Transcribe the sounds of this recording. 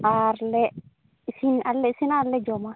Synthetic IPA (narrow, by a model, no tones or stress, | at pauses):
aɾlɛ | sinalːɛsinaɾlɛd͡ʒɔma